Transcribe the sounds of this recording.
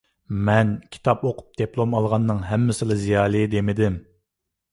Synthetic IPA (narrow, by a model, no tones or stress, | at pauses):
mɛnkʲʰi̥t̪ʰɑpoqʰʊ̥p̚d̪̥eplˠomɑlˠʁɑnːɨŋɦɛmːɪsɪlˠɨzijɑːlˠɨd̪emɪd̪ɪm